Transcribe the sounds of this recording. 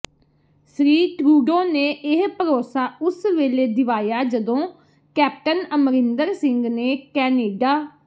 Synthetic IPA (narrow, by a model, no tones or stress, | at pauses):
sɾiːʈɾuːɖõːneːʔɪɦpəɾoːsaːʊsʋeːleːd̪ɪʋaːjaːd͡ʒəd̪õː | kɛːp̚ʈənəmɾɪ̃nd̪əɾsɪ̃ŋɡneːkɛːneːɖaː